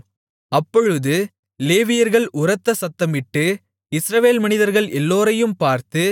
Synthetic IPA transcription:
ɐpːɔɻɯðɯ | leːʋɪjɐɾɣɐɭʔʊɾɐt̪ːɐsɐt̪ːɐmɪʈːɯ | ɪsɾɐʋeːlmɐnɪðɐɾɣɐɭʔɛlːoːɾɐjɯmpaːɾt̪ɯ

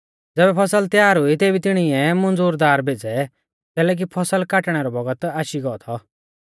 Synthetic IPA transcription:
d͡zɛːbɛpʰɐsəlt̪jaːɾɦʊit̪eːbit̪ɪɽ̃iɛmɐ̃nd͡zuːɾd̪aːɾbʱeːd͡zɛ | t̪ɛːlɛːk̬ipʰɐsəlkaːʈɽ̃ɛɾɔbɐɡət̪aːʃiɡɔt̪ʰɔ

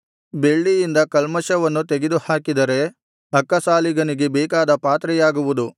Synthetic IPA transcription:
be̞ɭːijind̪ɐkɐlmɐʃɐʋɐnːut̪eɡed̪uhaːkid̪ɐɾe̞ | ɐkːɐsaːliɡɐniɡe̞bɛːkaːd̪ɐpaːt̪ɾɛjaːɡuʋud̪u

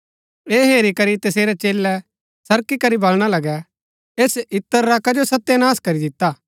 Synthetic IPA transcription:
eːɦeːɾikɐɾit̪ɐseːɾɛt͡ʃeːlːɛ | sɐɾkikɐɾibɐlɽ̃alɐɡɛ | eːsɪt̪ːəɾːakɐd͡ʒosɐt̪ːenaːskɐɾid̪ɪt̪ːaː

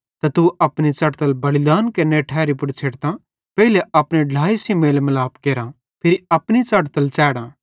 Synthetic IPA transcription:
t̪ɐt̪uʔɐpɽ̃it͡sɐɽt̪əlbɐlɪd̪aːnkɐneʈʰɛːɾipʊɽt͡ʃʰeːʈt̪ã | pɛɦileɐpɽ̃eɖʱlaːisimeːlmɐlaːpkeːɾã | pʰɪɾiɐpñit͡sɐʈt̪əlt͡ʃɛːɽãː

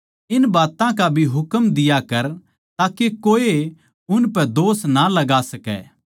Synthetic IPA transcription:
ɪnbaːt̪ãkabʱiɦʊkəmd̪ɪjakɐɾ | t̪aːkekoːe | ʊnpɛd̪oːsnalɐɡaːsɐkɛ̰ː

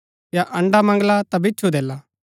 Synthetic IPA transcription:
jaʔɐ̃ɳɖamɐ̃ŋɡlat̪abɪt͡ʃʰud̪eːla

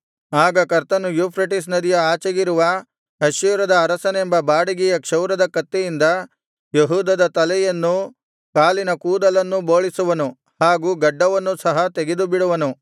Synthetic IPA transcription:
aːɡɐkɐɾt̪ɐnujuːpʰɾɐʈis̬nɐd̪ijɐaːt͡ʃɐɡiɾuʋɐ | ɦɐʃiːɾɐd̪ɐːɾɐsɐnembɐbaːɽiɡɛjɐkʂɐwɾɐd̪ɐkɐt̪ːejind̪ɐ | jeɦuːd̪ɐd̪ɐt̪ɐlɛjɐnːu | kaːlinɐkuːd̪ɐlɐnːuboːɭisuʋɐnu | haːɡuːɡɐɖːɐʋɐnːusɐɦɐt̪eɡed̪ubiɽuʋɐnu

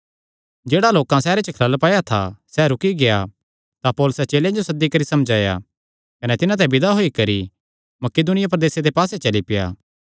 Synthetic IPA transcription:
d͡ʒeːɽaloːkãsɛːɾet͡ʃəkʰɐɾəlpaːjat̪ʰa̰sɛɾʊkiɡeja | t̪apɔːlʊsɛt͡ʃeːlẽd͡ʒosɐd̪ːikɐɾisɐmd͡ʒaːja̰ | kɐnɛt̪ɪnãt̪̬ɛ̃bɪd̪aɦoːikɐɾi | mɐkeːd̪ʊnɪjap̬ɾɐd̪eːsed̪epaːsɛt͡ʃɐlipɪja̰ː

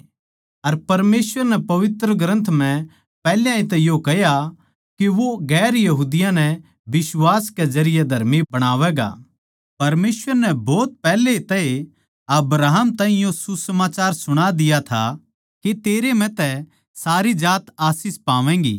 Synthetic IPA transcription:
ɐɾpɐɾmeːsʋəɾnɛpɐʋɪt̪ɾəɡɾə̃nt̪ʰmɛ̃ | pɛːljãĩt̪̬ɛjokɛja | keʋoɡɛːɾjɐɦuːd̪ɪjãnɛ | bɪswaːskɛd͡ʒɐɾɪjɛd̪ʱɐɾmibɐɽ̃aːʋɛɡa̰ | pɐɾmeːsʋəɾnɛbɔːt̪̚pɛːlet̪ɛe | ɐbɾaːɦmt̪ãːɦĩjosusɐmaːt͡ʃaːɾsʊɽ̃ad̪ɪjat̪ʰa̰ | ket̪eːɾem̤ɛ̃t̪ɛ | saːɾid͡ʒaːt̪aːsɪspaːʋɛ̃ːŋɡḭː

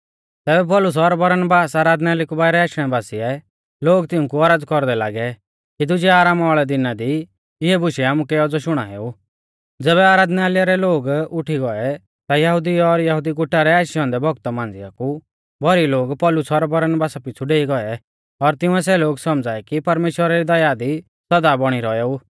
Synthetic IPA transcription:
t̪ɛːbɛp̬ɔlʊs̬ɔɾbɔɾnbaːsaːɾaːd̪nɛaːlikubaːɪɾɛaːʃɽ̃ɛbaːsiɛ | loːɡt̪ɪũkuɔɾaːd͡zkɔɾd̪ɛla̰ːɡɛ | kid̪ʊd͡ʒɛaːɾaːmɔːɭɛd̪ɪnad̪i | ɪɛbʊʃiaːmukɛɔd͡zɔʃʊɽ̃a̰ɦḛːu | d͡zɛːβɛaːɾaːd̪nɛaːlɪjaɾɛloːɡʊʈʰiɡɔɛ | t̪ajɐɦʊd̪iɔɾjɐɦud̪iɡʊʈʰːaɾɛaːʃjɔ̃ːnd̪ɛbʱɔɡt̪ɔmãːnd͡zɪjaku | bʱɔɾiloːɡpɔːlʊsɔɾbɐɾənbaːsapɪt͡sʰuɖeːiɡɔɛ | ɔɾt̪ɪʊ̃ɛsɛloːɡsɔmd͡zaːɛkipɐɾmeːʃwəɾaɾid̪ɐjad̪i | sɐd̪abɔɽ̃iɾɔɛuː

